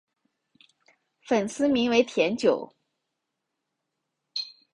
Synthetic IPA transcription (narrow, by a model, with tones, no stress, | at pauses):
fə˨˩nsɹ̩˥mi˧˥ŋwe˧˥ɪt̪ʰjɛ˧˥nt͡ɕjo˨˩˦ʊ